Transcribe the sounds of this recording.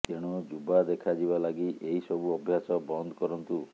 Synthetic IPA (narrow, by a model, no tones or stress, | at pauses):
keɽ̃ɔd͡ʒubad̪ekʰad͡ʒibalaɡiʔeɦisɔbuɔbʱjasɔbɔnd̪ɔkɔɾɔnt̪u